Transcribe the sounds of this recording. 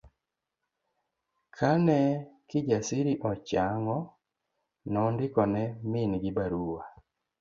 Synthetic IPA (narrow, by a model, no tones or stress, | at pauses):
kʰanɛkiɟasiɾiʔɔt͡ʃaŋɔ | nɔndikɔnɛminɡibaɾuːwa